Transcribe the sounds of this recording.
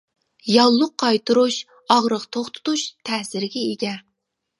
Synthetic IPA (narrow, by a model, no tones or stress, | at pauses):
jɑlˠːʊqʰːɑjt̪ʰuɾuʃ | ɑʁɾəqt̪ʰoχt̪ʰʊ̥t̪uʃt̪ʰɛhsɪɾɡʲɛeɡʲɛ